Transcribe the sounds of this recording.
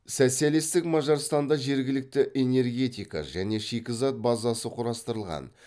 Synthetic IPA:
sæselest̪ɪkmɑʒɑɾst̪ɑnd̪ɑʒe̞ɾɡʲɪlɪk̚t̪ɪʔe̞ne̞ɾɡʲe̞t̪ijkɑ̰ʒæne̞ʃikʲɪzɑt̪̚bɑzɑsəqʰʊɾɑst̪əɾəlˠʁɑ̰n

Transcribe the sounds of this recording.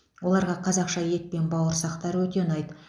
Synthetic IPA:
wʔo̞lˠɑɾʁɑqʰɑzɑqʃɑje̞t̪̚pe̞nbɑwəɾsɑqt̪ɑɾwɵt̪e̞nɑjd̪ə

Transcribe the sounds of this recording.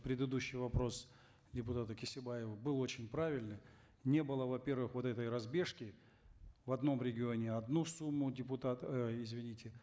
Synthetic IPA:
pɾʲɪd̪ɨd̪uɕːɪjvɐpɾo̞s | dʲɪpʊt̪at̪əkʲɪsʲɪbajɪvəbɨlˠo̞t͡ɕɪnʲpɾavʲɪlʲnɨ | nʲe̞bɨlˠəvɐpʲe̞rvɨxvo̞t̪ɛt̪əjɾɐzbʲe̞ʂkʲɪ | vɐd̪no̞mɾʲɪɡʲɪo̞nʲɪɐd̪nusumːʊdʲɪpʊt̪at̪ɪzvʲɪnʲitʲɪ

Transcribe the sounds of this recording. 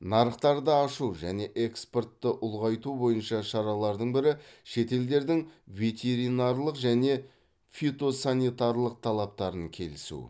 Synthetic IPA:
nɑɾəqt̪ɑɾd̪əɑʃuʒæne̞ʔe̞kspo̞rt̪ːəʔʊlˠʁɑjt̪ubo̞jənʃɑʃɑɾɑlˠɑɾd̪əɴbɪɾɪʃe̞t̪e̞ld̪e̞ɾd̪ɪŋvʲe̞t̪ʲʰe̞ɾinɑɾlˠəqʒæne̞ | fʲit̪o̞sanʲit̪aɾlˠəq̚t̪ʰɑlˠɑp̚t̪ɑɾəŋkʲʰe̞̰lɪsṵ

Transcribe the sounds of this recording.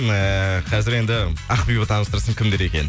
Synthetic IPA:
əqʰɑzɪɾe̞nd̪ɪɑqbibət̪ʰɑnəst̪əɾsəɴkʲʰɪmd̪e̞ɾe̞kʲe̞̰n

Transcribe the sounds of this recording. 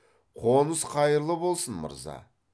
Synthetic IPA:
qʰonəsqʰɑjəɾlˠəbo̞lˠsənmə̰ɾzɑ̰

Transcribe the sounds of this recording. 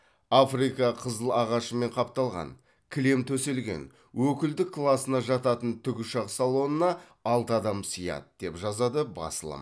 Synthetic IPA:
afrijkɑqʰəzəlˠɑʁɑʃəme̞ɴqʰɑp̚t̪ɑlˠʁɑ̰n | kʲʰɪle̞mt̪ʰɵse̞lɡʲe̞̰n | wɵkʲɪld̪ɪkʰːlˠasənɑʒɑt̪ɑt̪ənt̪ʰʏɡʲɪʃɑqsalˠo̞nənɑ | ɑlˠt̪əɑd̪ɑmsijɑ̰d̪əd̪e̞pʒɑzɑd̪əbɑ̰səlˠə̰m

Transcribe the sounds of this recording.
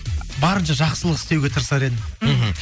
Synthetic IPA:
bɑɾənʃɑʒɑqsəlˠəqɪ̥st̪ewɡʲe̞t̪ʰəɾsɑɾe̞d̪ɪɦ

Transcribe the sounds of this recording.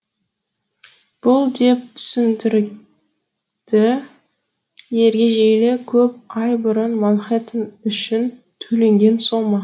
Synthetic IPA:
b̥ʊlˠd̪e̞p̚t̪ʰʏ̥sɪnd̪ɪɾ | d̪̥ɪ | je̞ɾɡʲe̞ʒejlekʲʰɵp̚ʰɑjbʊɾənmɑnˠχet̪ənʏʃɪn | t̪ʰɵle̞ŋɡʲe̞nsomɑ

